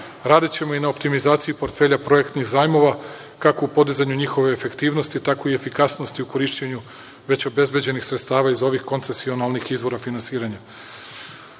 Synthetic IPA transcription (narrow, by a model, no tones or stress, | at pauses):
ɾaːd̪it͡ɕe̞mo̞inaopt̪imizaːt̪sijupo̞ɾt̪fe̞ʎapɾo̞e̞kt̪nixzaːjmo̞ʋa | kako̞upo̞d̪izaɲuɲixo̞ʋe̞ːfe̞kt̪iːʋno̞st̪it̪ako̞ie̞fikasno̞st̪iuko̞ɾiʃt͡ɕeɲu | ʋe̞t͡ɕo̞be̞zbʲjed͡ʑe̞nixsɾet̪st̪aːʋaizo̞ʋixko̞nt̪se̞sio̞nalnixizʋo̞ɾafinansiːɾaɲa